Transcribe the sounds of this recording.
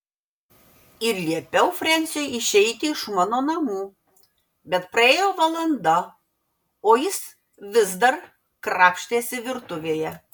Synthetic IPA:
ɪɾlʲiɛpʲɛʊfʲɾʲɛnʲsʲɛjɪʃʲɛɪt̪ʲɪɪʃmɑːnoːnɐmuː | bʲɛt̪pɾɐeːjoːʋɐlˠɐnd̪ɐ | oːjɪs | ʋʲɪzd̪ɐɾ | kɾɑːpʲʃʲt̪ʲeːsʲɪʋʲɪɾt̪ʊʋʲeːjɛ

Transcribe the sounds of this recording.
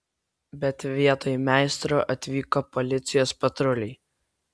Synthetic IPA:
bʲɛt̪ʋʲiɛt̪oːjmʲæˑɪst̪ɾoːʔɐt̪ʲʋʲiːkoːpɔlʲɪt̪sʲɪjoːspɐt̪ɾʊlʲɪɪ

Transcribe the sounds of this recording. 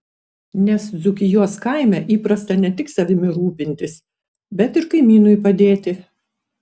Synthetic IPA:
nʲɛsd̪zʊkʲɪjuɔskɐɪmʲɛʔiːpɾɐst̪ɐnʲɛt̪ʲɪksɐʋʲɪmʲɪɾuːpʲɪnʲt̪ʲɪs | bʲɛt̪ɪɾkɐɪmʲiːnʊjpɐd̪ʲeːt̪ʲɪ

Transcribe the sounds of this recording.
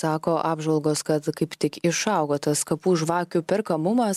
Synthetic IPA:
sɑːkoːʔɑːbʒʋɐlˠɡoːskɐt̪kɐɪpt̪ʲɪkɪʃɐʊɡoːt̪ɐskɐpuːʒʋɑːkʲʊpʲɪɾkɐmʊmɐs

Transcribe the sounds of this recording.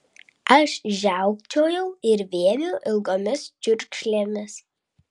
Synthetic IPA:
ɐʃʒʲæˑʊkt͡ʃʲoːjɛʊɪɾʋʲeɛnʲuːʔɪlˠɡoːmʲɪst͡ʃʲʊɾʲkʃʲlʲeːmʲɪs

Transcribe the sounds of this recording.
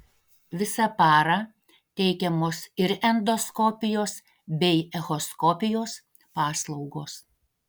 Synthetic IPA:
ʋʲɪsɐpɑːɾɑ | t̪ʲɛɪkʲɛmoːsɪɾɛnd̪ɔskɔpʲɪjoːs | bʲɛɪɛɣɔskɔpʲɪjoːs | pɑːslˠɒʊɡoːs

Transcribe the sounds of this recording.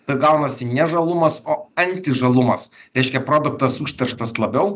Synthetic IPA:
t̪ɐɪɡɐʊnɐsʲɪnʲɛʒɐlˠʊmɐsoːɐnʲt̪ʲɪʒɐlˠʊmɐsɾʲɛɪʃʲkʲɛpɾoːd̪ʊk̚t̪ɐsuːʃʲt̪ʲɛɾʃt̪ɐslˠɐbʲɛʊ

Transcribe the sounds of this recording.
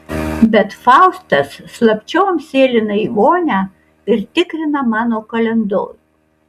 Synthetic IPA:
bʲɛt̪fɑˑʊst̪ɐsːlˠɐpʲt͡ʃʲɛʊɐmʲsʲeːlʲɪnɐiʋoːnʲæː | ɪɾt̪ʲɪkɾʲɪnɐmɑːnoːkɐlʲɛnd̪o̰ːɾʲu

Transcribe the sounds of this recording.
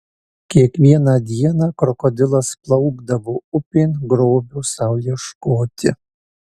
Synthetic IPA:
kʲiɛkʋʲiɛnɑːd̪ʲiɛnɑːkɾɔkɔd̪ʲɪlˠɐsplˠɒʊɡd̪ɐʋoːʊpʲɪnɡɾoːbʲuːsɑʊlʲiɛʃkoːt̪ʲɪ̰

